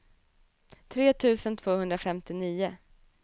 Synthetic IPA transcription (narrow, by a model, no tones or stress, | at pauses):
t̪ʰɾeːt̪ʰʉ̟ːsənt̪ʰv̥oːhɵnd̪ɾafɛmt̪ɪniːʊ